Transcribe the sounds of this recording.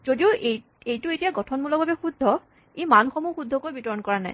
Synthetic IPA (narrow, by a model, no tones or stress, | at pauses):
zodiʊʔe | ejtʊetijaɡɔtʰɔnmulɔk̚bʱabɛxud̪ʱːɔ | ejmanxɔmuxud̪ʱːɔkojbitɔɹɔnkɔɹana̰j